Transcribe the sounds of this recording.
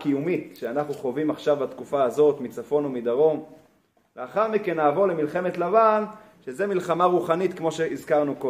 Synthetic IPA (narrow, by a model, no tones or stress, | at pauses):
kijumit̪ʃeanaχnuχo̞vimaχʃavbat̪kufaːzo̞t̪mit͡safo̞numid̪aʁo̞m | veaχaʁmikenːaːvo̞ʁlemilχe̞met̪lavan | ʃezemilχamaʁuχanit̪kmo̞ʃeizkaʁnuko